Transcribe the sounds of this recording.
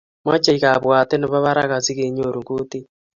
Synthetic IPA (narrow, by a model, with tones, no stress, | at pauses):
mwa˦t͡ʃe˦iɣa˨βwa˨te˦ne˦βa˦βa˦ɾaɣa˨zi˦ɣe˨ɲo˨ɾu˨ŋɡu˦ti˦